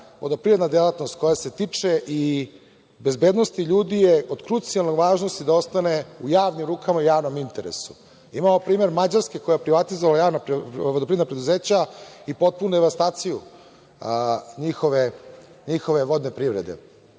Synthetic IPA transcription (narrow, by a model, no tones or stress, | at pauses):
ʋod̪opɾiɾed̪nad̪elat̪no̞st̪̚ko̞jase̞t̪it͡ʂeʔi | be̞zbed̪nost̪iʎuːd̪ijeod̪kɾut̪sialˠnoɡʋaːʒnost̪id̪ao̞st̪aneujaːʋnimɾuːkamaujaːʋnomint̪eɾḛsu̥̰ | imaopɾiːme̞ɾmad͡ʑaɾskeko̞japɾiʋat̪izoʋalajaːʋnaʋod̪opɾiɾed̪napɾed̪uzeːt͡ɕaipo̞t̪̚punud̪eʋast̪aːt̪siju | ɲixoʋe | ɲixo̞ʋe̞ʋo̞d̪nepɾivɾed̪e̞̰